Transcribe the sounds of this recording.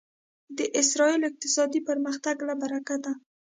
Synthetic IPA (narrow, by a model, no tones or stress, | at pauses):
d̪əʔɪsɾɑilɪq̚t̪ɪsɑd̪ipəɾməxt̪aɡlabaɾakad̪a